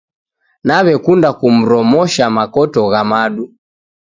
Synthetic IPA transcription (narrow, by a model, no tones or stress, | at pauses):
naβɛkundakum̩ɾɔmɔʃamakɔtɔɣamaɗu